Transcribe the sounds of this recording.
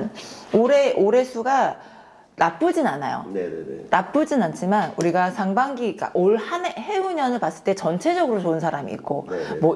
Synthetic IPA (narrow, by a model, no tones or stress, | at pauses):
noɾeʔoɾe̞sʰuɡa | nap͈ɯd͡ʑinanajo̰nap͈ɯd͡ʑinant͡ɕʰimanuɾiɡasʰaŋbaŋɡik͈a̰ʔoɭhanheuɲʌnɯɭpas͈ɯɭt͈e̞t͡ɕʌnt͡ɕʰe̞d͡ʑʌɡɯɾot͡ɕoɯnsʰaɾamḭːk̚k͈omwʌ